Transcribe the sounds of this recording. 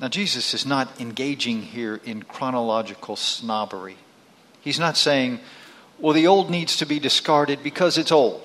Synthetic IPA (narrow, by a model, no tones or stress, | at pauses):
naʊd͡ʒizɨsɨznəɾɨ̃nɡeɪd͡ʒɪ̃ŋhiɹɪ̃nkʰɹ̥ɑnəlɑd͡ʒɨkʰl̩ˠsnɑbə̰˞i | iznətseɪɪ̃ŋ | wɛlˠðioʊlˠdⁿnidz̥tʰɨbidɨskɑɹɾɨd̚bɨkʰʌzɨtsoʊlˠd̥